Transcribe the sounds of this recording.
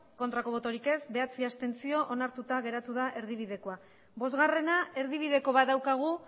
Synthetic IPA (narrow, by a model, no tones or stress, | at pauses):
ko̞nt̪ɾako̞β̞o̞t̪oɾike̞sbe̞at͡siast̪e̞nt͡sio̞ʔonaɾt̪ut̪aɣ̞e̞ɾat̪uð̞aʔe̞ɾð̞iβ̞ið̞e̞ko̞a | bo̞zɣare̞nae̞ɾð̞iβ̞iðe̞ko̞βat̪d̪ðawkaɣ̞u